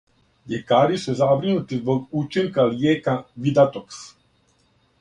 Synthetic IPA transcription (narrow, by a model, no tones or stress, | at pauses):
ʎekaːɾisuzabɾinut̪izbo̞ɡut͡ʃiŋkaljeːkaʋid̪at̪oks